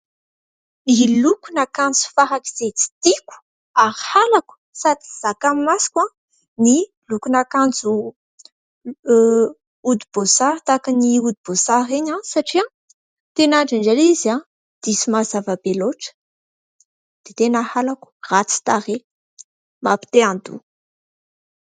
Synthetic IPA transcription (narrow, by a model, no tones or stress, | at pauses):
ilukunakand͡zu̥faɦaki̥z̥et͡si̥t̪iku̥ | aɾhalaku̥ | sad̪i̥z̥akamimasi̥ka | ni | lukunakand͡zu | ud̪ibozaɾt̪akaniud̪ibozaɾeɲasaʈ͡ʂia | t̪enaɳɖ͡ʐinɖ͡ʐaliza | d̪̥isimazavabeloʈ͡ʂə̥ | d̪̥et̪enahalaku̥rat͡si̥t̪aɾe | mapi̥t̪eand̪ṵ